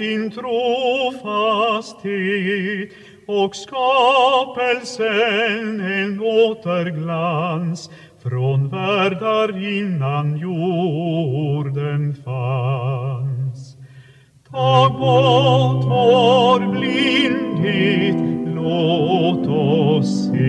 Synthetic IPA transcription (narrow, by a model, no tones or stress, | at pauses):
ɪnt̪ʰɾuːfast̪het̪ | ɔkskɑpəlsənenoːt̪əɾɡlans | fɾonvæɖaɾɪnːanju | ɖənfa | ns | t̪ʰɑːɡɔt̪ɔɾblɪnd̪ɪt̪lot̪ɔs | e